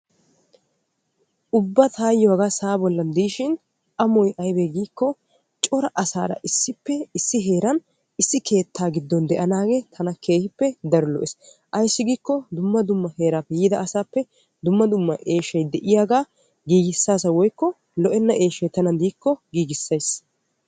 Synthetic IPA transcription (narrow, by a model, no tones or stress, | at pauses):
ʔʊbːɐt̪ʰaːjɔɐɡaːsaːbɔlːɐnd̪iːʃɪn | ʔɐmɔjʔɐjbeɡiːkːɔ | t͡ʃʼɔɾɐʔɐsa̰ːɾɐ̰ʔɪsːɪpːɛɪsːɪɦe̞ːɾɐn | ɪsːɪkʰe̞ːt̪ːaːɡɪd̪ːɔnd̪ɛʔɐnaːɡet̪ʰɐnɐkʰe̞ːhɪpːɛd̪ɐɾɔlɔ̰ʔɛs | ʔɐjsːɪɡiːkːɔd̪ʊmːɐd̪ʊmːɐhe̞ːɾaːpːɛjiːd̪ɐːsaːpːɛ | d̪ʊmːɐd̪ʊmːɐ̰ʔe̞ːʃɐjd̪ɛʔɪjaːɡaː | ɡiːɡɪsːaːsɐwɔjkːɔ | lɔʔɛnːɐʔe̞ːʃɐjt̪ɐnɐnd̪iːkːɔɡiːɡɪsːɐjs